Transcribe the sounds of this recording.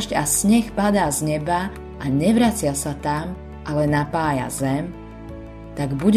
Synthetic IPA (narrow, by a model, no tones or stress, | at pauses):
ʒɟasɲɛxpad̪aːzɲɛba | ʔaɲɛʋɾat͡sɪasat̪am | ʔalɛnapaːja̰zɛm | t̪aɡbuɟ